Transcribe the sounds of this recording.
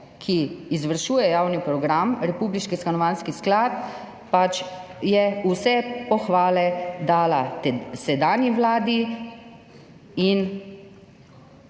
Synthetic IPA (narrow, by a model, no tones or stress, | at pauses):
kʰiːzʋəɾʃuːjɛjaːwnipɾɔɡɾamɾɛpuːbliʃkiskanɔʋanskisklat̪̚ | pat͡ʃ | jɛusɛpɔxʋaːlɛd̪aːlasɛd̪aːnjiʋlaːd̪i | in